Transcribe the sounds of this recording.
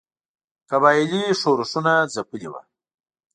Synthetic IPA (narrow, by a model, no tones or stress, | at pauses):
kaβɑjliʂoɾusunazapəliwa̰